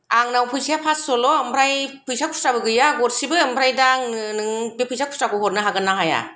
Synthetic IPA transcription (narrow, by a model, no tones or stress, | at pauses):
aŋnawpʰujsijapʰasːɔlɔɯmpʰɾajpʰujsakʰu̥stɾabɯɡɯjaɡɔtsibɯːmpʰɾajdaŋnɯnɯŋbepʰujsʰakʰu̥stɾakɔhɔt̚nɯɦaɡɯnːaɦaja̰